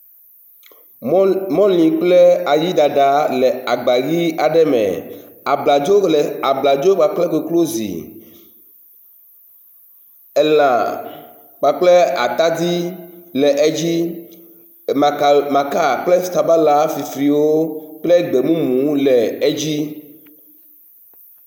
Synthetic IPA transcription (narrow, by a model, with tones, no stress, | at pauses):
mɔ̃˦lĩ˨k͡plɛ˦a˨ji˦d̪a˨ɖa˨lɛ˨a˨ɡ͡ba˨ɣi˦a˨ɖɛ˦mɛ̰̃˨ | a˨bla˨d͡ʒo˦la˨bla˨d͡ʒo˦ɡ͡ba˨k͡plɛ˦ke˨klo˦zḭ˨ | ɛ˦lã˨ | k͡pa˨k͡plɛ˦a̰˨t̪a˦d̪i˦lɛ˨ʔe˦d͡ʑi˦ | ma˨mã˨ka˦k͡plɛ˦˨t̪a˨ba˦la˦fi˨fɾi˨wo˦k͡plɛ˦ɡ͡be˨mũ˦mũ˨˦lɛ˨e˦d͡ʑi˦